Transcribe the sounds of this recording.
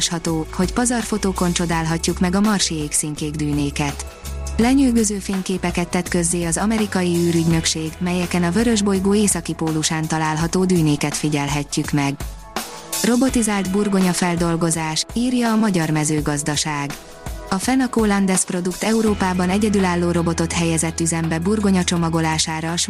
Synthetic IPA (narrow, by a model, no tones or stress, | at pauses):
ʃhɒt̪oːho̞cpɒzɒrfo̞t̪oːko̞nt͡ʃo̞d̪aːlɦɒcːukmɛɡɒmɒrʃieːksiŋkeːɡd̪yːneːkɛt̪ | lɛɲyːɡøzøːfeːɲkeːpɛkɛt̪ːɛt̪kø̞zːeːɒzɒmɛɾikɒjiyːɾyɟnø̞kʃeːɡmɛjɛkɛnɒvø̞ɾøʒbo̞jɡoːeːsɒkipoːlːuʃaːnt̪ɒlaːlɦɒt̪oːd̪yːneːkɛt̪fiɟɛlɦɛcːykmɛɡ | ro̞bo̞t̪izaːlt̪burɡo̞ɲɒfɛld̪o̞lɡo̞zaːʃiːrjɒːmɒɟɒrmɛzøːɡɒzd̪ɒʃaːɡ | ɒfɛnɒkoːlɒnd̪ɛspro̞d̪ukt̪ɛuɾoːpaːbɒnɛɟɛd̪ylaːlːoːɾo̞bo̞t̪o̞t̪hɛjɛzɛt̪ːyzɛmbɛburɡo̞ɲɒt͡ʃo̞mɒɡo̞laːʃaːɾɒʃ